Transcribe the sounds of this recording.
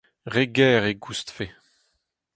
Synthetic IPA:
ʁeɡɛːʁeɡust̪fe

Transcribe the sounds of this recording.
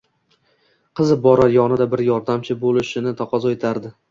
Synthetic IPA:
qʰɨzɪbɒɾaɾjɒnɪd̪abɪɾjɒɾd̪amt͡ʃʰɪbolɪʃɪnɪt̪ʰɒqʰɒzɒet̪ʰaɾd̪ɪ

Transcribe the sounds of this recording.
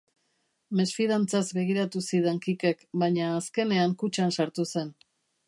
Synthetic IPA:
me̞sfiðant͡sazbe̞ɣ̞iɾat̪usiðeŋkike̞kbaɲaːske̞ne̞aŋkut͡ʃansaɾt̪use̞n

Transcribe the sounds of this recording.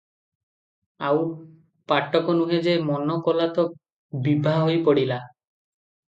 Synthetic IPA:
aw | paʈːɔkɔnuɦed͡ʒemɔnɔkɔlat̪ɔ | bibʱaɦojpoɽila

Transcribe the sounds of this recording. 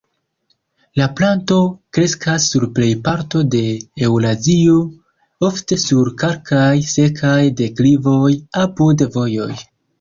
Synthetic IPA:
laplanto̞kɾe̞skasːuɾple̞jpaɾto̞de̞ːwlazio | o̞fte̞suɾkaɾkajse̞kʰajde̞klivo̞japudvo̞jo̞̰j

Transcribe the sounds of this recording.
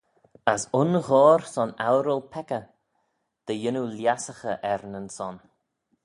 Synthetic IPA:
əsʊnɣɔːɾsɔnawɾəlˠpʰɛkə | d̪̥əjɪnuljasəxəʔɛɾnənsɔn

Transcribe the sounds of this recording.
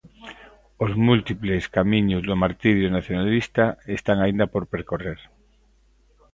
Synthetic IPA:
ozmult̪ipleskamĩɲozðomaɾt̪iɾjonaθjonalist̪aest̪aŋaind̪apoɾpeɾkoreɾ

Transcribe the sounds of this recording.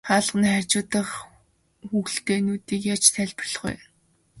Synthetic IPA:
χaːɮəʁniːχærʲt͡ɕʊːt̪ə̆χ | xuɣ̆ɬt̪eːnuːt̪iːkjat͡ɕt̪ʰæɮʲpɔrɮ̥χṵj

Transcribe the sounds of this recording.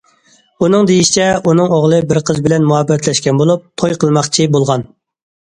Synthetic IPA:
unɨŋd̪ejiʃi̥t͡ʃʰɛunɨŋoʁlˠɨbɪɾqʰəzbɪlɛnmuɦɑbːɛt̪ʰlɛʃkʲɛnbolˠup̚t̪ʰojqʰəlˠmɑχt͡ʃʰibolˠʁɑn

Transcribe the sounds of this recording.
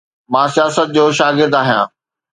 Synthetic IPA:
mãːsijaːsət̪̚d͡ʑoːʃaːɡɪɾd̪aːɦijãː

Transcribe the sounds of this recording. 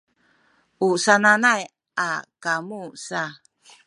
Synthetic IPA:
usananaj | akamusa

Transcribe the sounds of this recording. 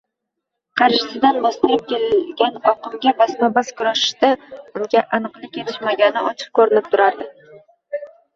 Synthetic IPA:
qʰɑɾʃɪsɪd̪anbɒst̪ɨɾɪp̚kʲʰelɡʲanɒqʰɨmɡʲabasmabaskʰʊɾaʃɪ̥ʃt̪aʊŋɡʲaʔanɨqlˠɪkʲʰeɾɪʃmaɡʲanɪɒt͡ʃʰɨ̥q̚kʰɵɾɪnɪp̚t̪ʰʊɾaɾd̪ɪ

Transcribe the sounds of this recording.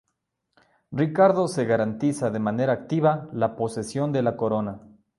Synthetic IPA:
rikaɾðo̞se̞ɣaɾant̪isaðe̞mane̞ɾaːk̚t̪iβalapo̞se̞sjo̞nd̪e̞lako̞ɾo̞na

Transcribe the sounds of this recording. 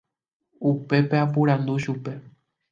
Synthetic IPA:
upe̞peapuɾãnd̪uʃupe̞

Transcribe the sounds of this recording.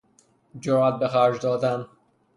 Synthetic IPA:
d͡ʒoɾæt̪̚bexæɾd͡ʒd̪ɒːd̪æn

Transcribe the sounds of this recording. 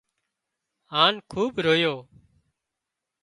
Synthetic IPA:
ɦaːnkʰuːbɾoːjoː

